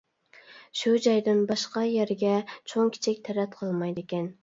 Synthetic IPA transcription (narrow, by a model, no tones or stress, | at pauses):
ʃud͡ʒɑjd̪ɪnbɑʃqɑjæɾɡʲɛt͡ʃʰoŋkʲʰi̥t͡ʃʰɪkʲt̪ʰæɾɛt̪qʰəlˠmɑjd̪ɪkʲɛn